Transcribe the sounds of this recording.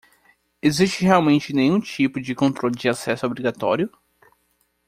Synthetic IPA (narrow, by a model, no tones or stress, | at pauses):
ezist͡ʃɪɦeawmẽnt͡ʃɪnẽj̃ũt͡ʃipʊd͡ʒɪkõnt̪ɾolɪd͡ʒɪasɛsʊobɾiɡat̪ɔ̰ɾijʊ